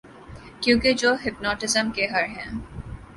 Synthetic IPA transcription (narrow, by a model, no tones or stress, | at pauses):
kjõːked͡ʒoːɦɪpnɔːʈɪzəmkeɦɐɾɦɛ̃ː